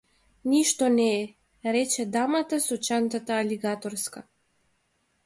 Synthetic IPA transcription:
niʃt̪ɔnɛː | ɾɛt͡ʃɛd̪amat̪asɔt͡ʃant̪at̪aːlʲiɡat̪ɔɾska

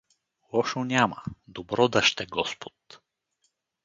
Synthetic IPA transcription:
lˠɔʃonʲamɐ̰d̪obɾɔd̪ɐʃt̪ɛɡɔspo̥t̪

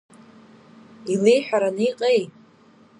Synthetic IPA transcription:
ile̞jħʷᶣaɾanɨiqʼejʼ

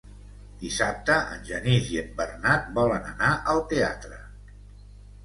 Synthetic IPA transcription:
d̪̥isap̚t̪əə̰nʲʒəniziəmbərnat̪̚bɔlənə̰naʔəlˠt̪ea̰t̪ɾə

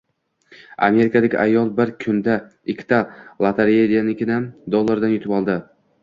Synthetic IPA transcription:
a̰me̞ɾɪkʰad̪aɡʲʔajːɒlˠbɪɾkʰʊnd̪a | ɪkʲʰːt̪ʰalˠat̪ʰaɾed̪anɪkʲɪnamd̪olˠːaɾd̪anjʊt̪ɪpɒlˠd̪ɪ

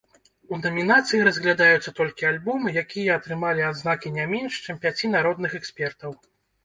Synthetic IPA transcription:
unɐmʲinat̪sɨjiɾɐzʲɣlʲad̪ajut̪sːɐt̪ɔlʲkʲialʲbɔmɨjakʲijɐɐt̪ɾɨmalʲiad̪znakʲinʲamʲɛnʂt͡ʂɛmpʲat͡sʲinaɾɔd̪̚nɨxɛksʲpʲɛrt̪ɐw

